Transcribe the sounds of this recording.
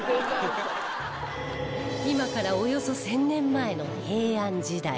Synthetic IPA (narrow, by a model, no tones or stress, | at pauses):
imakaɾao̞jo̞so̞sẽ̞nːẽ̞mːae̞no̞he̞ːãɲd͡ʑid̪a̰i